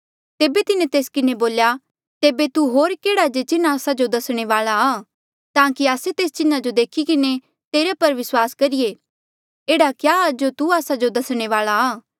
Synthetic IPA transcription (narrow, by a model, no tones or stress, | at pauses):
t̪eːbet̪ɪnẽt̪eːskɪneboːlja | t̪eːbet̪uɦoːɾkeːɽad͡ʒet͡ʃɪnãːsad͡ʒod̪ɐsɽ̃eʋaːɭaaː | t̪ãːkiaːset̪eːst͡ʃɪnad͡ʒod̪eːkʰikɪne | t̪eːɾapɐɾʋɪswaːskɐɾije | eːɽakjaːd͡ʒot̪uaːsad͡ʒod̪ɐsɽ̃eʋaːɭaː